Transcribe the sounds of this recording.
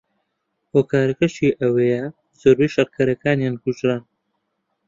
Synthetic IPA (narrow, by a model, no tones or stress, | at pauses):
hoːkaːɾɐkɐʃiːʔɐwɐjɐ | z̥oːɾbejʃɐɾkʰɐɾɐkaːnjaːnkuʒɾan